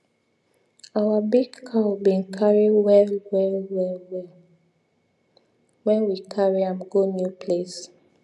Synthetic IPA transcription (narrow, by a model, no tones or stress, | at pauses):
awabiɡkʰabĩnkʰaɹiwɛwɛwɛw | wɛ̃nwikʰaɹiãmɡonjupʰles